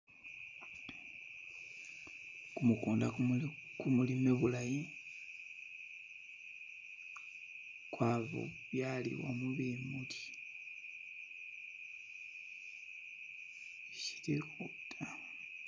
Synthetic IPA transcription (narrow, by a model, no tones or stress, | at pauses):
kumukuːnda | kumulimeβulaji | kwaβo̰βjalḭwa̰muβimuti̥ | ʃi̥tekotʰa